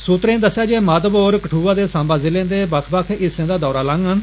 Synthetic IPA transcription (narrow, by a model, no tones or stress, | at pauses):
suːt̪ɾẽːd̪əsːjaːd͡ʒeːmaːd̪əboːɾkəʈʰuːʋaːd̪eːsãːmbaːzɪlẽːd̪eːbəkʰbaːkʰɪsẽːd̪aːd̪ɔːɾaːlãŋɡɦən